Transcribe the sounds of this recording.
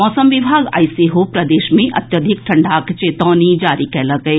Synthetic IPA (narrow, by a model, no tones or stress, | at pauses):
mɔːsəmʋɪbʱaːɡa̰iseɦopɾɐd̪eːʃmẽʔɐ̰t̪jəd̪ʱɪk̚ʈʰɐ̃ɳɖʱakt͡ʃeːt̪ɔ̃ːnid͡ʒaːɾikɛːləɡɐe